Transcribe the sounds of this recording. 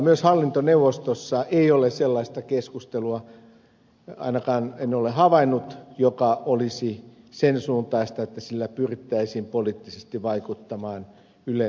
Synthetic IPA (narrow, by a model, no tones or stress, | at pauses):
myøshɑlːint̪oneuwʋˑost̪osːɑʔeioleselːɑist̪ɑkeskust̪eluɑ | ɑ̰inɑkɑːnenːolehɑʋɑinːut̪jokɑʔolisi | sensuːnt̪ɑist̪ɑet̪ːæsilːæpyrit̪ːæisiːmpoliːt̪ːisest̪iʋʋɑikut̪ːɑmɑːn | yle